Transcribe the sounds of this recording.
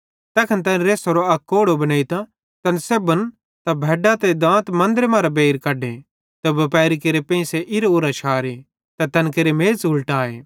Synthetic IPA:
t̪ɛːkʰɐnt̪̬ɐːnɾeːsoɾoɐkːoːɽobɐnaːit̪a | t̪ɐnsebɐn | t̪abʱɛːɖat̪ed̪ãːt̪mɐ̃nd̪ɾemãːɾabeːɾkɐɖe | t̪ɐbɐpɛːɾikeɾepẽːĩseʔɪɾoʊɾat͡ʃʰaːɾi | t̪at̪ɐnkeɾemeːzʊlʈaːḛː

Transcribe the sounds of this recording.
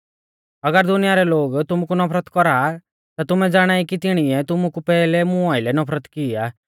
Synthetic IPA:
ɐɡəɾd̪ʊnɪjaɾɛloːɡt̪ʊmukunɐpʰɾət̪kɔɾa | t̪at̪ʊmɛd͡zaːɽ̃aːikit̪ɪɽ̃iɛt̪ʊmukupɛːlɛmʊ̃aɪlɛnɔpʰɾət̪kɪa

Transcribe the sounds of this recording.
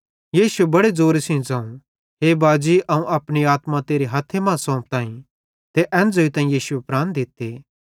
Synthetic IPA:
jiːsuebɐɽed͡zoːɾesĩd͡zãːũ | ɦeːbaːd͡ʒiʔɐũʔɐpɽ̃iaːt̪mãt̪eːɾiɦɐt̪ʰːemãːsɔ̃ːp̚t̪aːĩ | t̪eʔɛ̃ːnd͡zoːit̪ãːĩjiːsuepɾaːnd̪ɪt̪ːeː

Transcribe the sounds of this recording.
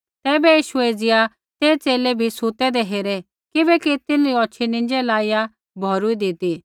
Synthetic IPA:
t̪ɛːbɛjiːʃued͡zɪja | t̪eːt͡seːlebʱisut̪ɛd̪eɦeːɾe | kɪbɛkit̪ɪnɾiɔːt͡ʃʰinɪ̃ɲd͡ʒelaːɪja | bʱɔɾuid̪ɪt̪i

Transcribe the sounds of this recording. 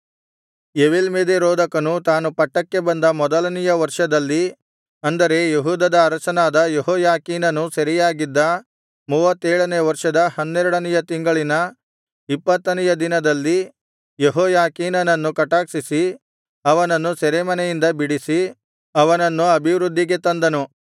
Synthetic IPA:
eʋelmeːd̪eɾoːd̪ɐkɐnut̪aːnupɐʈːɐkːe̞bɐnd̪ɐmɔd̪ɐlɐnijɐʋɐɾʂɐd̪ɐlːi | ɐnd̪ɐɾe̞jeɦuːd̪ɐd̪ɐːɾɐt͡ʃɐnaːd̪ɐjeɦɔːjaːkiːnɐnusɐɾijaːɡid̪ːɐ | muːʋɐt̪ːeːɭɐnejʋɐɾʂɐd̪ɐhɐnːɛɾuɽɐnɛjɐt̪iŋɡɐɭinɐ | ipːɐt̪ːɐnijɐd̪inɐd̪ɐlːi | jeɦɔːjaːkiːnɐnɐnːukɐʈaːksisi | ɐʋɐnɐnːusɐɾemɐnɛjind̪ɐbiɽisi | ɐʋɐnɐnːuɐbʱiʋɾud̪ʱːiɡe̞t̪ɐnd̪ɐnu

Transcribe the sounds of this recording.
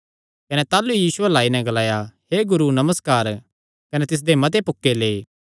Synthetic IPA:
kɐnɛt̪aːlujiːsʊelaːinɛ̃ɡɐlaːjaɦeɡʊɾunɐməskaːɾ | kɐnet̪ɪs̬d̪emɐt̪̬epʊkːeleː

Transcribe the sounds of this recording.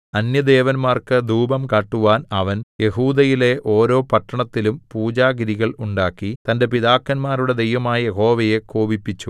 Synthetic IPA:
ɐnjɐd̪e̞ːʋɐnmaːrkɨd̪uːbɐmkaːʈːuʋaːnɐʋɐnje̞huːd̪ɐjile̞ʔo̞ːɾo̞ːpɐʈːɐɳɐt̪ːilumpuːd͡ʑaːɡiɾiɣɐɭuɳɖaːkːit̪ɐnde̞piðaːkːɐnmaːɾuɽe̞d̪ejʋɐmaːjɐje̞ɦo̞ːʋɐje̞koːbipːit͡ɕːu

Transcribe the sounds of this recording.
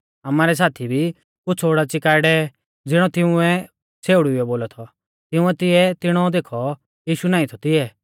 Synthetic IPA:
amaːɾɛs̬aːt̪ʰibʱi | kʊt͡sʰoːɽat͡sɪkaːɽɛ | d͡zɪɽ̃ɔt̪ɪʊ̃ɛ | t͡sʰeːʊɽʊɛboːlɔt̪ʰɔ | t̪ɪʊ̃ɛt̪ɪɛt̪ɪɽ̃ɔd̪eːkʰɔ | jiːʃunaːĩt̪ʰɔt̪ɪɛ

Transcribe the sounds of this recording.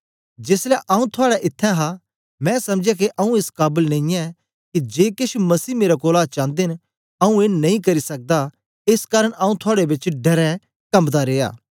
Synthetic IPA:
d͡ʒeːslɛʔaːũt̪ʰʊaːɽaʔɪt̪ʰːɛ̃ɦa | mɛ̃sɐ̃md͡ʒak̬iʔɐũeːskaːbəlnɐ̃ĩɛ̃ | kid͡ʒeːkɪʃmɐsiːmeːɾakoːlaːt͡ʃãːnd̪en | aːũeːnɐĩkɐɾisɐk̚d̪a | eːskaːɾəɽ̃ãːũt̪ʰʊaːɽebɪt͡ʃɖɐɾɛ̃ | kɐmd̪aɾeːa̰ː

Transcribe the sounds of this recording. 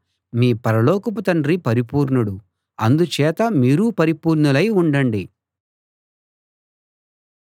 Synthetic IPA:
miːpɐɾɐlɔːkɐp̬ɐt̪ɐɳɖɾipɐɾipuːɾɳuɽu | ɐnd̪ut͡ʃɛːt̪ɐmiːɾupɐɾipuːɾɳulɐjuɳɖɐɳɖi

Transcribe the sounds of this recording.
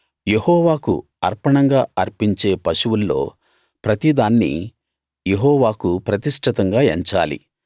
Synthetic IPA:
je̞hɔːʋaːkṵ | ɐɾpɐɳɐŋɡaːɐɾpiɲt͡ʃe̞ːpɐʃuwulːo̞̰ː | pɾɐt̪id̪aːnːḭ | je̞ɦɔːʋaːkupɾɐt̪iʂʈʰit̪ɐŋɡaːeɲt͡ʃaːlḭ

